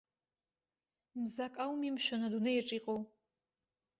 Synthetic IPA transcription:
mzakʼawmimʃʷᶣanadunɨjʈ͡ʂʼiqʼow

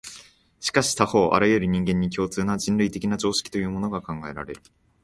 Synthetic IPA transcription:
ɕi̥kaɕi̥t̪aho̞ːʔa̰ɾajɯɾɯ̟ɲ̟ĩŋɡẽ̞ɲ̟ːikʲo̞ːt͡sɨːnad͡ʑĩnɾɯ̟it̪e̞kʲinad͡ʑo̞ːɕi̥kʲi̥t̪o̞jɯ̟ːmo̞no̞ɡakãŋɡae̞ɾa̰ɾe̞ɾɯ̟

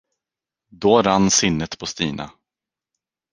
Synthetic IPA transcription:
d̪oːɾanːsɪnːət̪pʰɔst̪iːnʔa̰

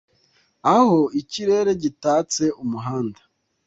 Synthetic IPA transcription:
aho̞iciɾe̞ːɾe̞ɟitaːt͡se̞ʔumuɦaːnda

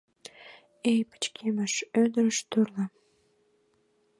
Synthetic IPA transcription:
ejpə̥t͡ɕkʰeməʃød̪əɾəʃt̪uɾlə

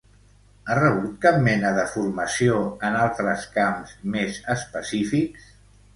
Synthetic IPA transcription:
arəβ̞ut̪kap̚mɛnəðəfuɾməsioənalˠt̪ɾəskamzmezəspəsifiks

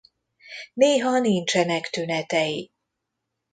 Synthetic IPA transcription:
neːɦɒnint͡ʃɛnɛkt̪ynɛt̪ɛji

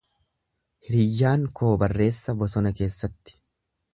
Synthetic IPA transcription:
hɪɾɪjːaːŋkʰo̞ːbɐrːe̞ːsːɐbɔsɔnɐke̞ːsːɐt̪ːɪ̥

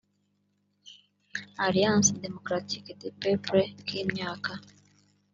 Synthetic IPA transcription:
alijãnsdemokɾatikedepepɾekʰiːmɲaːka

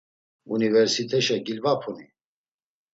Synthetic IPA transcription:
univɛɾsit̪ʰɛʃɛɡilvapʰuni

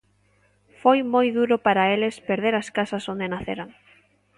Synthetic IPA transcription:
fojmojðuɾʊpaɾaelɪspeɾð̞eɾaskasɐsond̪enaθḛɾaŋ

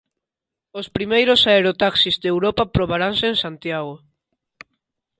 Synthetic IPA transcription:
ospɾimejɾosaeɾot̪aksizðewɾopapɾoβaɾaŋseːŋsant̪jaɣo

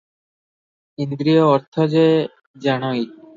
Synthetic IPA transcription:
ind̪ɾioːɾt̪ʰɔd͡ʑe | d͡ʑaɽ̃oik

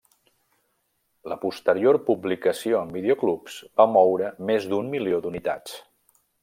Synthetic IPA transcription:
ləpust̪əɾiorpublikəsioəmbiðioklupsbamɔwɾəmezd̪ummiliod̪unit̪a̰t͡s

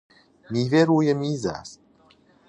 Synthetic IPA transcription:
miveɾujemiza̰s

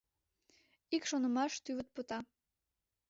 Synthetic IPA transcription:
ikʃonə̆mɑʃt̪yβə̆t̪̚pot̪ɑ

